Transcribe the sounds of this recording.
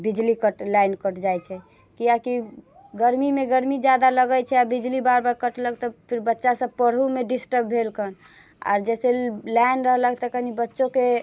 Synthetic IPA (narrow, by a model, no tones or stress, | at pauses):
bid͡ʒlikəʈlajnkəʈd͡ʒajt͡ʃʰɛ | kijaki | ɡəɾmimeɡəɾmid͡ʒad̪aləɡəjt͡ʃʰɛabid͡ʒlibaɾbaɾkəʈləɡ̚t̪ɔpʰiɾbətːʃasəb̚pəɾɦumeɖisʈəɾbbʱelkən | a̰ɾd͡ʒɛselajnɾəɦləɡ̚t̪ɔkəɦnibətːʃõke